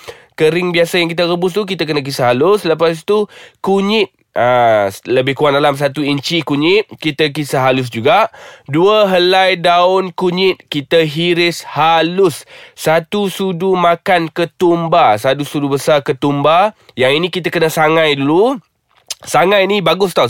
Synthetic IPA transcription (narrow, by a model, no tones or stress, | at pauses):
kəɾɪŋbiasajaŋkit̪̬aɾəbʊst̪uk̬it̪ak̬ənak̬isaɦalʊsləp̬asit̪ukuɲɪt̪̚ | ʔəsləbɪhkuat̪̚dalams̬at̪uiɲt͡ʃikuɲɪt̪̚kit̪ak̬isaɦalʊs̬d͡ʒuɡaʔduəɦəlajdaʊnkuɲɪt̪̚kit̪aɦiɾɪshalʊssat̪usudumakankət̪umbasat̪usudubəsarkət̪umba | jaŋinĩkit̪akənasaŋãjdulu | saŋãjnibaɡʊst̪a